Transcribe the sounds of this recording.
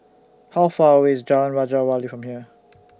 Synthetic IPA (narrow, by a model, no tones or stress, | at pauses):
haʊfɑɪzd͡ʒɑɹə̃nɹad͡ʒəwalifɹə̃mhiə